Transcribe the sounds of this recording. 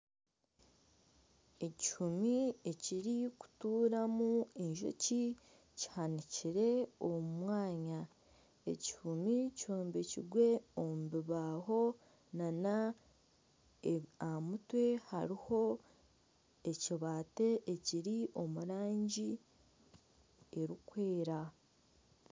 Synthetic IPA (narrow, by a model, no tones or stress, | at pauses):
e̞ci̥humie̞ciɾiku̥tuːɾamueɲʒo̰ci | ci̥haniciɾe̞omumwaːɲa | e̞̰ci̥humicuːmbeciɡwe̞ommuβiβaɦo̞ | nana | amutwe̞ha̰ɾiho̞ | eciβate̞ːciɾiʔo̞muɾaːɲɟi | e̞ɾikwe̞ːɾa